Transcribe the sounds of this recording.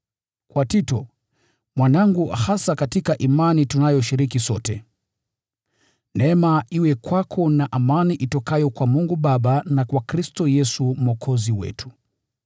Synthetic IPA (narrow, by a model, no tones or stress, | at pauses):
kwatitɔ̰ | mwanaŋɡuhasakatikaʔimanitunajɔʃiɾikisɔtɛ | nɛmaiwɛkwakʰɔnaʔamaniʔitɔkajɔkwamuŋɡuɓaɓanakwakɾistɔjɛsum̩ɔkʰɔziwɛ̰tʰu̥